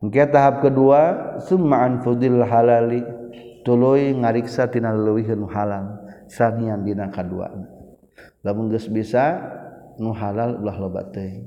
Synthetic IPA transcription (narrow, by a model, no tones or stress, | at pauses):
ŋkɛt̪aɦap̚kəduasummaanfud̪ilːaɦalalit̪uluiŋaɾiksat̪inalələwiɦənuɦalal | saniambinakadua̰n | lamuŋɡəsbisa | nuɦalalulaɦloba̰ʔt̪əi